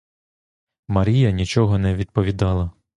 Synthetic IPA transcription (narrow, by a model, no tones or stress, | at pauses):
mɐɾʲijɐnʲit͡ʃɔɦɔnɛʋʲid̪̚pɔʋʲid̪ɑlˠɐ